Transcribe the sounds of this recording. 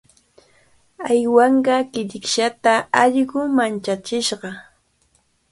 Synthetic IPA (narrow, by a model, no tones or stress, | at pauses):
ajwɑɴɢɑkɪʎɪkʃat̪aɑʎɢʊmant͡ʃat͡ʃɪʃɢɑ